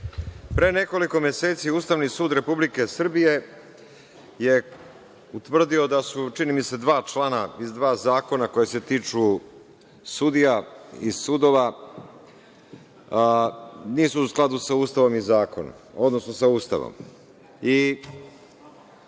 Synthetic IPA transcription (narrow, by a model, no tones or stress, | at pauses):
pɾene̞ko̞liko̞mje̞se̞ːt̪siust̪aʋnisuːd̪ɾe̞publike̞sr̩bije̞ | je̞ | ut̪ʋr̩d̪io̞d̪asut͡ʃinimise̞d̪ʋaːt͡ʃlˠanaizd̪ʋaːzaːko̞nako̞jese̞t̪iːt͡ʂu | sud̪ijaisud̪o̞ʋa | niːsuusklˠad̪usauːst̪aʋo̞mizaːko̰no̰ | o̞d̪no̞sno̞sauːst̪a̰ʋo̰m | i